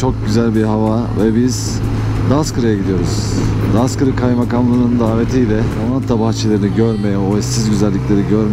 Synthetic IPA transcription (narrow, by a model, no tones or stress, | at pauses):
t͡ʃʰo̞k̚ɟyzælʲbiɾɦavavɛbiz̥ | d̪askɯɾajaɟid̪ijo̞ɾuz̥ | d̪askɯɾɯkʰajmakamlˠanɯnɯnd̪aːve̞t̪ʰijlʲɛamant̪ʰːabaxt͡ʃʰelʲˠeɾiniɟøɾmejɛoɛssizɟyzælʲːiclʲe̞ɾiɟøɾm